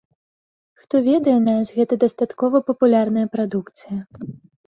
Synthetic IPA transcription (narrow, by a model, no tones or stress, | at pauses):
xt̪ɔvʲɛd̪ɐjɛnasʲɣɛt̪ɐd̪ɐst̪at̪kɔvɐpɐpulʲarnɐjɐpɾad̪ukt̪sɨjɐ